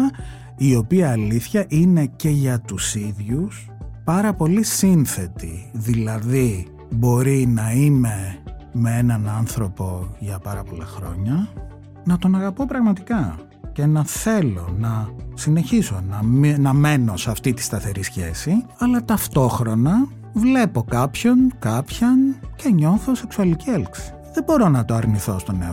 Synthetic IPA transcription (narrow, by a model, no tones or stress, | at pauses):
io̞piɐːliθçɐʔine̞ce̞ʝɐt̪usiðʝus | pɐɾɐpo̞lisinθe̞t̪iðilɐði | bo̞ɾinɐime̞mee̞nɐnɐnθɾo̞po̞ʝɐpɐɾɐpo̞lɐ̰xɾo̞̰ɲɐ | nɐt̪o̞nɐɣɐpo̞pɾɐɣmɐt̪ikɐ | ce̞nɐθe̞lo̞nɐsine̞çiso̞nɐnɐme̞no̞seɐft̪it̪i̥st̪ɐθe̞ɾisçe̞siɐlɐt̪ɐft̪o̞xɾo̞nɐ | vle̞po̞kɐpço̞nkɐpçɐnce̞ɲo̞θo̞se̞ksuɐlicielksi̥ | ðebo̞ɾo̞nɐt̪o̞ɐɾniθo̞st̪o̞ne